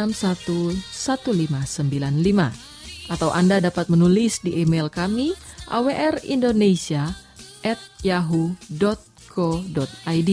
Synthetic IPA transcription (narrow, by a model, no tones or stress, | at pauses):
amsat̪usat̪ulimasəmbilanlima | ʔat̪awʔandadapat̪̚mənulɪsdiʔimelkamiʔa̰weʔɛrḭndonesia | ʔɛt̪̚jaɦudɔt̪̚ | kʰɔdɔt̪̚ajdi